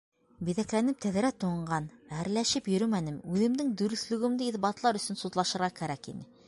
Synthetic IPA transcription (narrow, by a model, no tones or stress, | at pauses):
biðæklænɘp̚t̪æð̆ɾæt̪uɴɢɑnæɾlæʃɘpjɵ̆ɾɵmænɘmʉðɘ̆md̪ɘŋd̪ɵ̆ɾɵ̆θlɵ̆ɡɘ̆md̪ɘiðbɑt̪lˠɑɾɵ̆sɵnsut̪lˠɑʃɤ̆ɾʁɑkæɾækḭnɘ